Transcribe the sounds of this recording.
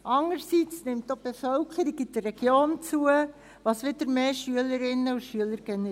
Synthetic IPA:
ɑŋəɾsit͡snɪmt̚dob̥efœlkχəɾiɡid̥ərːɛɡ̥joːnt͡suə | ʋɑsʋɪdəɾmeːʃyələɾɪnːəuʃyələɾɡ̥ɛnɛ

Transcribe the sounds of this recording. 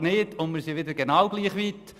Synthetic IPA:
nɪtʊnmɪɾsiʋɪdəɾɡenɑwɡliːχʋit̪

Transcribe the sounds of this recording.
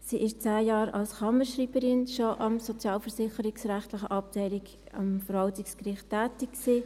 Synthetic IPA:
siːʔɪʃt͡sæːjɑːɾɑ̰lsχɑməɾʃriːbəɾɪnʃoʔɑmsot͡sjɑːlfəɾsɪχəɾɪksɾæχtlɪχəʔɑp̚tʰɛɪlɪɡ | ɑ̰mfəɾhɑltɪkskrɪχtːæːtɪkksiː

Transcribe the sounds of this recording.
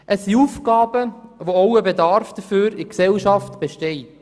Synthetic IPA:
ʔəsiuːfɡ̥ɑːbəʋoowəbedɑɾfd̪̥əføːɾɪksɛlʃɑftb̥eʃtɛɪt

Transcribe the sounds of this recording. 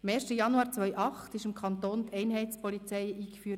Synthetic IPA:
mɛːɾʃtəjɑnuɑːɾt͡sʋœʏʔɑχtɪʃɪmkʰɑnt̪oːnt̪ʰɛɪnɦɛɪt͡spɔlit͡sɛɪiːkfyː

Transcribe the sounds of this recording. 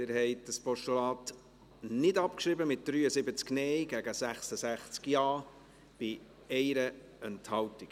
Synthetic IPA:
ɪɾhɛɪt̚dəspɔʃtolɑːt | nɪdɑpkʃɾɪbəmɪt̚d̥ɾyːəsɪbət͡sknɛjɡæɡəsæχsəsæχt͡skjɑː | b̥ɪ | ɛɪɾə | ɛnthɑltɪk

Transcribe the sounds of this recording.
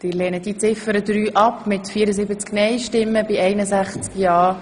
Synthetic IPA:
d̥ɪːɾlɛːnəd̥it͡sɪfəɾəd̪ɾyːʔɑpmɪtfiːəɾəzɪbət͡sknɛjʃtɪmːəbɪɛɪnəsæχt͡skjɑː

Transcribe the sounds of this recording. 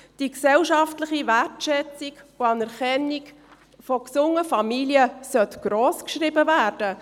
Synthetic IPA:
d̥iksɛlʃɑftləχiværtʃɛt͡sikoɑnɛɾkɛnik | fɔksʊŋəfɑmiljəsœtɡ̥ɾoːskʃribəvæːɾd̥ə

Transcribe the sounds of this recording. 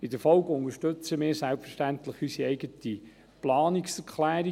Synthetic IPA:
ɪdəɾfɔlkʊŋəʃtɵt͡səmɪːɾsælpfəɾʃtænt̪ləχysiɛɪɡət̪i | plɑːniksɛɾkʰχlæːɾi

